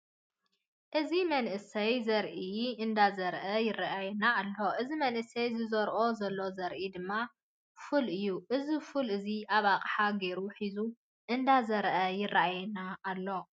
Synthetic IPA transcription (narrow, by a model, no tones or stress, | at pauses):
ʔɨzimɐnʔɨsɐjzɐɾʔiɨnd̪azɐɾʔɐjɪrːaʔajɛnaːlːo̞ʔɨzimɐnʔɨsɐjzɨzoɾʔo̞zɐlːo̞zɐɾʔid̪ɨmːa | fulʔɨjːuʔɨzifulʔɨziaβaqʼħaɡeɾuħizu | ʔɨnd̪azɐɾʔɐjɪrːaʔajɛnaːlːo̞